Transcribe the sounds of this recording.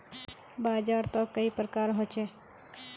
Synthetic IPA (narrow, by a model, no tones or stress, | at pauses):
baːd͡ʒaːɾt̪ɔkːəipɾəkaːɾɦot͡ʃɛː